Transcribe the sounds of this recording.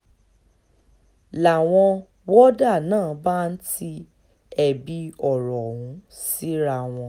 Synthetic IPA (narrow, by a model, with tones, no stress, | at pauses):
la˨w̃ɔ̃˧ | wɔ˦da˦˨nãː˦˨ba˦n̩˦ti˦ | ɛ˨bi˧ɔ˦˨ɾɔ˨wũ˨˦ | si˦ɾa˧w̃ɔ̃˧